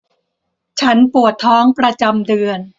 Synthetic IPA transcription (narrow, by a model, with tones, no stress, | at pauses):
t͡ɕʰa˦˥npu˨˩ət̪ʰːɔː˦˥ŋpɾa˧t͡ɕa˧mdɯ˧ən